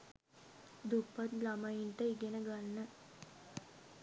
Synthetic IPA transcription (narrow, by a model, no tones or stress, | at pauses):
d̪upːat̪lamajinʈəiɡenəɡanːə